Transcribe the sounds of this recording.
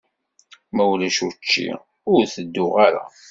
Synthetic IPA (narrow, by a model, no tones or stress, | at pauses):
mæwlæʃut͡ʃːḭ | ʊɾθəd̪ːʊʁaɾa̰